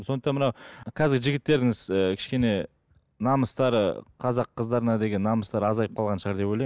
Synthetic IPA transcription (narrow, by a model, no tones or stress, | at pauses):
so̞nət̪ɑnmənɑwkʲʰæzɪɡʲɪʒɪɡʲɪt̪ːe̞ɾd̪ɪŋɪzəkʲʰɪ̥ʃkʲe̞ne̞ | nɑməst̪ɑɾə̰qʰɑzɑqʰːəzd̪ɑɾənɑd̪e̞ɡʲe̞nːɑməst̪ɑɾɑzɑjəpqʰɑlˠʁɑnʃəʁɑɾd̪e̞po̞jlˠɑj